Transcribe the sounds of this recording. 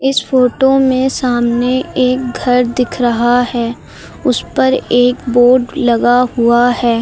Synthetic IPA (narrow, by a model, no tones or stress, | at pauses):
ɪsfoːʈomẽsaːmneeːk̚ɡʱɐɾd̪ɪkʰɾɐɦaɦɛː | ʊspɐɾeːkboːɖlɐɡaɦuahɛː